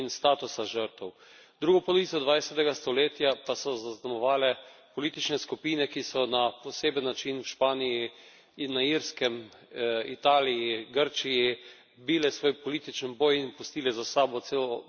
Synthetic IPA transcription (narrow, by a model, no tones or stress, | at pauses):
inst̪aːt̪usaʒəɾt̪ɛw | d̪ɾuːɡɔpɔlɔʋit̪sɔd̪ʋajsɛt̪ɛɡast̪ɔleːt̪japasɔzaznamɔʋaːlɛpɔlit̪it͡ʃnɛskupiːnɛkisɔnapɔseːbənːat͡ʃinwʃpaːniji | inːaiɾskɛm | it̪aːlijiɡəɾt͡ʃiji | biːlɛsʋoːjpɔliːt̪it͡ʃɛnboːjinpust̪iːlɛzasaːbɔt̪seːlɔ